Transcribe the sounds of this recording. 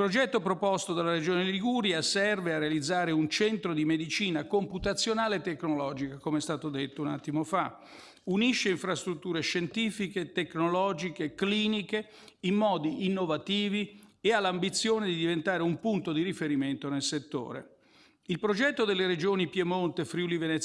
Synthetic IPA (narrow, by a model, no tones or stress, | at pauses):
ilpɾod͡ʒɛt̪ːopɾopɔst̪od̪alːaɾed͡ʒoːneliɡuɾjasɛrvearːealid̪zːaːɾeunt͡ʃɛnt̪ɾod̪imed̪it͡ʃiːnakomput̪at̪sːjonaːlet̪ːekːnolɔːd͡ʒikakomeɛst̪aːt̪od̪et̪ːouna̰t̪ːimofa | uniʃːeiɱfɾast̪ɾut̪ːuːɾeʃent̪iːfiket̪eknolɔːd͡ʒikekliːnike | imːɔːd̪iːnːovat̪iːviealːambit̪sːjoːned̪id̪ivent̪aːɾeumpunt̪od̪iɾifeɾiment̪onelset̪ːo̰ːɾḛ | ilpɾod͡ʒɛt̪ːod̪elːeɾed͡ʒoːnipjemont̪efɾiulivenɛt̪